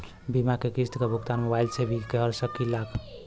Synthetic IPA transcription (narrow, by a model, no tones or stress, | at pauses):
bimakekist̪kebʱukt̪anmewajlsebʱikeɦəɾsəkːilak